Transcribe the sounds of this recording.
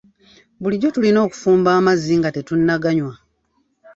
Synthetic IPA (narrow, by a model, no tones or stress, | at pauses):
βuliɟo̞tulino̞ːku̥fuːmbaːmaziŋɡate̞tunːaɡaɲwa